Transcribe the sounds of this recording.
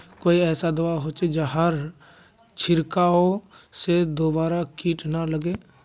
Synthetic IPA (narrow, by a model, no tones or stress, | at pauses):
koːiɛːsad̪əʋaɦoːt͡ʃed͡ʒaɦəɾ | t͡ʃʰɪɾkaosed̪oːbaːɾakiːʈnaləɡeː